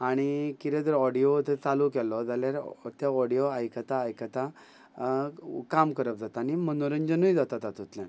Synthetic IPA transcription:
aɽ̃ikiɾed̪əɾɔɽijot̪et͡salukɛlɔd͡zaljaɾt̪jaɔɽijoajkat̪aːjkat̪a | kamkəɾəp̚d͡zat̪añimənoɾənd͡ʑənujd͡zat̪at̪at̪ut̪ljãn

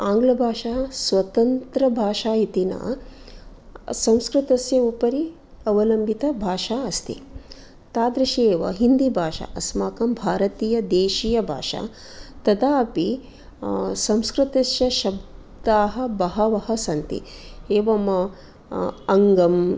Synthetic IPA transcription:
aːŋɡlɐbʱaːʃaːsʋɐt̪ɐnt̪ɾɐbʱaːʃaːit̪ina̰ː | sɐ̃w̃skɾɨt̪ɐsjɐupɐɾi | ɐʋɐlɐmbʱit̪ɐbʱaːʃaːɐst̪ḭ | t̪aːd̪ɾɐʃeːʋɐ̰ɦind̪ibʱaːʃa̰ʔɐsmaːkɐmbʱaːɾɐt̪iːjɐd̪eːʃiːjɐbʱa̰ːʂa̰ː | t̪ɐd̪aːpi | sɐ̃mskɾɨt̪ɐsjɐʃɐb̚ | d̪aːɦɐ̆bɐɦɐʋɐɦɐsɐnt̪ḭeːʋɐmɐ | ɐŋɡɐm

